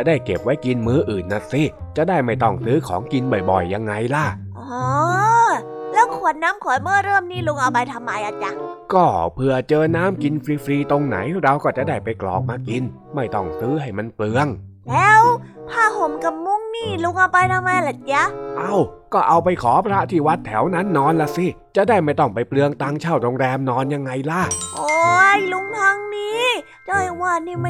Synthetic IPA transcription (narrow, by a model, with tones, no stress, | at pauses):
t͡ɕa˨˩daː˥˩jke˨˩p̚wa˦˥jki˧nmɯː˦˥ʔɯː˨˩nːa˧˩si˧˥˩t͡ɕa˨˩daː˥˩jma˥˩jt̪ɔ˥˩ŋsɯː˦˥kʰɔ̰ː˨˩˦ŋki˧nbɔ˨˩jbɔ̰˨˩jːa˧ŋːa˧jla˧˥˩ | ʔɔ˨˧ | lɛː˦˥wkʰu˨˩ə˦t̪̚naː˦˥mkʰɔː˨˩˦jmɯː˧˥˩ɾɤː˥˩mniː˥˩lu˧ŋʔa˧wpa˧jt̪ʰa˧mːa˧jʔa˨˧˩t͡ɕa˧kɔː˥˩pʰɯ˧˩ɐt͡ɕɤː˧naː˦˥˩mki˧nfɾiː˧fɾiː˧t̪o˧ŋna̰˩˦jɾa˧wkɔː˥˩t͡ɕa˨˩daː˥˩jpa˧jklɔ̰ː˨˩k̚maː˧ki˧n | ma˥˩jt̪ɔ˥˩ŋsɯː˦˥ɦa˥˩jma˧nplɯ˧əŋ | lɛː˦˧˥wpʰaː˧˩ɦo˨˦mka˧˩p̚mu˧˥˨ŋniː˧˥˩lu˧˥ŋʔa˧wpa˧jt̪ʰa˧ma˧jla˨˧˩t͡ɕa˧˥ʔa˧˥˩wkɔː˥˩ʔa˧wpa˧jkʰɔː˨˩˦pʰɾa˦˥t̪ʰiː˧˩wa˦˥t̪ʰːɛ˩˦wna˦˥nːɔː˧nla˧si˧˥˩ | t͡ɕa˨˧˩daː˥˩jma˥˩jt̪ɔ˥˩ŋpa˧jplɯ˧əŋt̪aː˧ŋt͡ɕʰaː˧˩wɾoː˧ŋɾɛː˧mnɔː˧nja˧ŋːa˧jla˧˥˩ʔoː˧jlu˧˥ŋt̪ʰa˧˥ŋniː˧˥˩ | jɔ˧˩jwaː˧˩niː˧˩ma˧˩˨